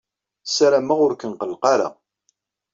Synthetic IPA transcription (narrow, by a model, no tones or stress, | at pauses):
saɾæmaʁʊɾkənqəlqɑɾa̰